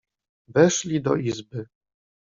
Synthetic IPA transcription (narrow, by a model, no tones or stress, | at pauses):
vɛʂlʲid̪ɔ̰izbɘ